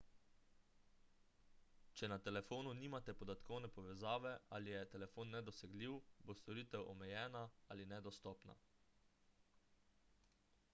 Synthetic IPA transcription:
t͡ʃɛnat̪ɛlɛfoːnuniːmat̪ɛpɔd̪at̪kɔwnɛpɔʋɛzaːʋɛalijɛt̪ɛlɛfoːnːɛd̪ɔsɛɡliːwbost̪ɔɾiːt̪ɛwʔɔmɛjɛːnaa̰linɛd̪ɔst̪ɔːpna̰

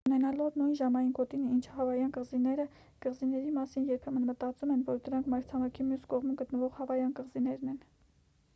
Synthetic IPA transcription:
unɛnɑlɔvnujnʒɑmɑjinkɔt̪inint͡ʃʰəhɑvɑjɑnkəʁzinɛɾə | kəʁzinɛɾimɑsinjɛɾpʰɛmənmət̪ɑt͡sumɛnvɔɾd̪əɾɑŋkʰmɑɾt͡sʰɑmɑkʰimjuskɔʁmumɡət̪nəvɔʁhɑvɑjɑnkəʁzinɛɾnɛn

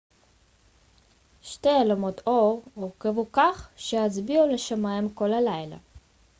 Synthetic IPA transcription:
ʃtejalomot̪oʁoʁkevukaχʃeazbiuleʃamajimkolalajla̰

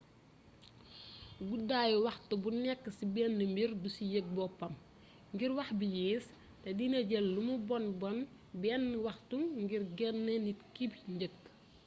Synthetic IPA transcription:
ɡudaːjuwɐxtubunɛkːəsibɛːnːəmbirdusijəɡ̚bɔpɐm | ŋɡirwɐxbijiːs | tɛdineɟɛlːumubɔnbɔn | bɛnːwɐxtuŋŋɡirɡɛnːɛnitkibɲɟəkː

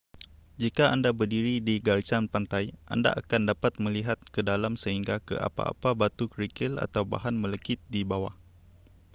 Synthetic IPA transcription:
d͡ʒikaʔandabərdiɾidiɡalt͡ʃanpant̪ajʔa̰nda̰ʔakandapat̪̚mə̃liɦat̪̚kədalamsəɦiŋɡakə̰ʔa̰pa̰ːpabat̪ukəɾikɪla̰t̪awba̰ɦanmələkɪt̪̚dibawa̰h

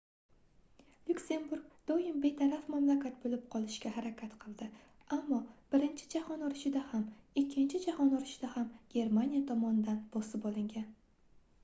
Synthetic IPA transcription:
lʲukʲse̞nbuɾk̚d̪̥ɒjɪmbe̞t̪ʰaɾafmamlakʲat̪̚bolɪp̚qʰɒlˠɪʃkʲahaɾakʲʰat̪qʰɨlˠd̪ɪ | amːɒb̥ɪɾɪnt͡ʃʰɪ̥d͡ʒahɒnɒɾɪʃɪd̪ahamɪkʲʰːɪnt͡ʃʰɪd͡ʒahɒnɒɾɪʃɪd̪ahamɡ̥ʲe̞ɾmanijat̪ʰɒmɒnɪd̪anb̥ɒsɪpɒlˠɪŋɡʲan

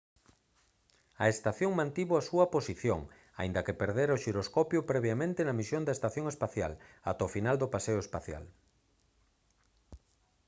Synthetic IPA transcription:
ɐest̪aθjoŋmãnt̪iβoasuɐposiθjo̰ŋ | a̰ind̪ɐkepeɾðeɾoʃiɾoskɔpjʊpɾɛβjamẽnt̪ɪnɐmisjond̪ɐest̪aθjoŋespaθja̰la̰t̪ofinald̪ʊpaseʊespaθja̰l

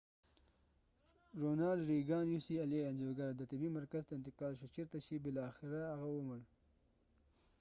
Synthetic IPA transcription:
ɾonɑːlɾiɡɑːnjusialejand͡ʒoɡaɾd̪ət̪ɪbimaɾkazt̪aɪnt̪ɪqɑːlʃot͡ʃeɾt̪aʃibɪlɑxɪɾaaɣawəməɽ

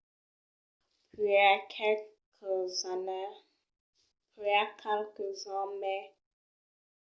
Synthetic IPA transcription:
piakʰɛlkʰəzane | piakʰɛlkəzãmɛ

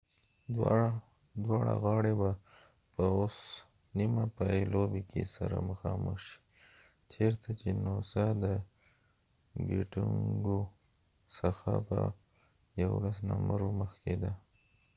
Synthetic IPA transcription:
w | d̪wɑɽa̰ɣɑɽeba | pəos | nimapajelobekʰḛsaɾaməxɑmə̰xʃi̥ | t͡ʃeɾt̪ʰat͡ʃenosad̪ə | ɡiʈuŋɡo | səxa̰pə̰ | jawlasnamaɾoməxked̪a

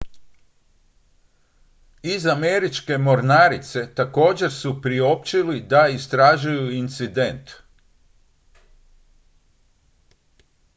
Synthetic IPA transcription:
izame̞ɾit͡ʃke̞mo̞ɾnaːɾit̪se̞t̪ako̞ːd͡ʑe̞ɾsupɾio̞pt͡ɕilid̪aist̪ɾaʒujuint̪sid̪e̞nt̪

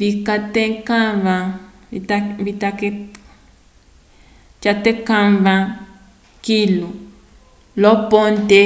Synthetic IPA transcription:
βikat̪ẽkãβã | it̪aβit̪ake | t͡ʃat̪ekãβã | kilu | lopont̪e

